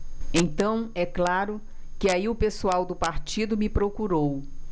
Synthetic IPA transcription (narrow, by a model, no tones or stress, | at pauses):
ẽnt̪ɐ̃w̃ɛklaɾʊ | kɪaiʊpesuawd̪ʊpaɾt͡ʃid̪ʊmɪpɾokuɾow